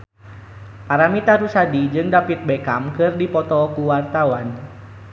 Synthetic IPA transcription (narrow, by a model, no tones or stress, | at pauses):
paɾamit̪aɾusadid͡ʒɨŋdapit̪̚bekamkɨrdipɔt̪ɔkuwart̪awan